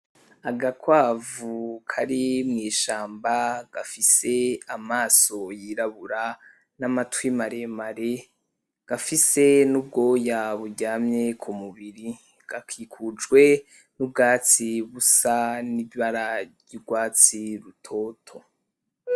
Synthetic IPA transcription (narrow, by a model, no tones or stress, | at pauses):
aɡakwaːvukʰaɾimŋiːʃaːmbaɡ̥afise̞amaːso̞jiɾaβuɾa | namatwimaɾemaɾe | ɡ̥afise̞nub̚ɡo̞ːjaβuɟaːmɲekʰumuβiɾi | ɡ̥akʰiːkʰud͡ʒɡwe̞ | nub̚ɡaːt͡siβusaniβaɾajuɡwaːt͡siɾutʰo̞ːtʰo